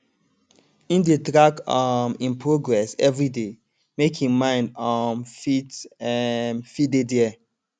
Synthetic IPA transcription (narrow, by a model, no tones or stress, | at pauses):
ĩndetɹakɔmĩnpʰɹoɡɹɛsɛvɹide | mekʰĩmãɪ̃ndɔnfit | nfidediɛ